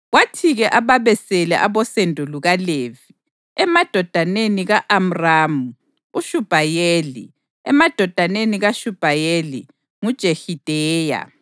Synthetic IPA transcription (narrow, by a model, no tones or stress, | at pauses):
ɣwatʰiɣɛʔaβaβɛsɛlɛ̰ʔaβɔsendʱuluɣalevi | ɛmad̥ʱɔd̥ʱaneniɣaʔam̩raːmu | uʃub̥ʱajeːlḭ | ɛmad̥ʱɔd̥ʱaneniɣaʃub̥ʱajelḭ | ŋud̥ʒ̥ʱehid̥ʱɛːja̰